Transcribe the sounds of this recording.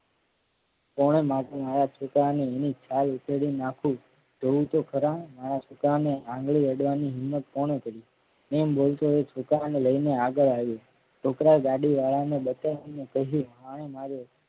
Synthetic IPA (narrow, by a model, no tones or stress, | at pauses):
pɔɽ̃emaʈemaɾat͡ʃʰokaneenit͡ʃʰalupeɽinakʰũ | d͡ʒ̪ʱoũt̪okʰəɾãmaɾat͡ʃʰokɾaneãŋɡɭiɾəɽʋaniɦɪmːət̪̚pɔɽ̃ekəɾi | membolt̪oet͡ʃʰokɾaneləineaɡəɭaʋjo | ʈʰokɾaɡaɽiʋaɭanebət̪anẽkəɦuɦaɽ̃emaɾo